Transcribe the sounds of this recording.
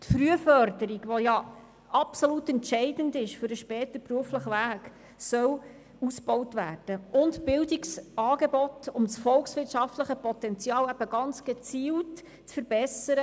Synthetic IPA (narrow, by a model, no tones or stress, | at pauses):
tfɾyəfœɾdəɾiɡʋojɑ | ɑpsolutɛntʃɛɪdəndɪʃfʏɾəʃpɛːt̪əpruəfləχəvæːk | sœl | usb̥ɔwtvæːrd̥əʔʊntbɪldiksɑːɡebɔtʊmsfɔlksʋɪrtʃɑftləχəpɔt̪ɛnt͡sjɑːlæb̥əɡɑnt͡sɡ̥et͡siːlt | t͡sfəɾbɛsəɾə